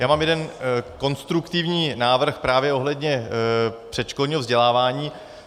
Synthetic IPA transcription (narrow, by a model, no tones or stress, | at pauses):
jaːmaːmjɛdɛnko̞nst̪ɾukt̪ɪvɲiːnaːvr̩xpɾaːvjɛʔo̞ɦlɛdɲɛ | pr̥ɛt̪t͡ʃkolɲiːɦovzɟɛlaːvaːɲiː